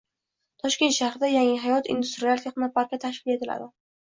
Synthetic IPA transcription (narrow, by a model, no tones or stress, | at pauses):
t̪ʰɒʃkʲe̞nt̪ʃahɾɪd̪ajaŋɪɦajɒt̪ḭnd̪ust̪ɾialˠt̪ʰeχnapaɾkʲat̪ʰaʃkʲɪle̞t̪ʰɪla̰d̪ɪ